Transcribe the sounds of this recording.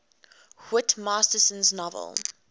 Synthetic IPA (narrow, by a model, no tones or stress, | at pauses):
wɪtmɑːstəsə̃nznɔvə̰lˠ